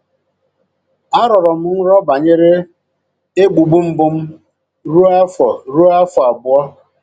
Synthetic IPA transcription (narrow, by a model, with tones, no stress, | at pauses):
a˦ɾɔ˨ɾɔ˨m̩˨ŋ̩˦ɾɔ˦ba˨ɲe˦ɾe˦ | e˦ɡ͡bu˨ɡ͡bu˦m̩˦bʊ˦m̩˦ | ɾu˦a˦fɔ˨ɾu˦a˦fɔ˨a˨bʊ˨ɔ˦